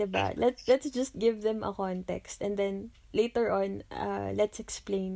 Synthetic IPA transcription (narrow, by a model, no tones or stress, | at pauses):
d̪ɪba̰lɛt̪lɛt̪sd͡ʒɐst̪̚ɡɪvðɛ̃mʔɐ̰kɔnt̪ɛ̰kst̪ɛ̃nd̪ɛ̃n | lejt̪ɛɹʔɔ̃na̰lɛt̪sɛksplẽɪ̃n